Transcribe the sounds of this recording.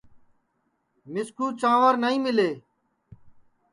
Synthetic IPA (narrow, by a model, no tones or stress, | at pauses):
mɪskʰuːt͡ʃãːʋəɾnəĩːmɪleː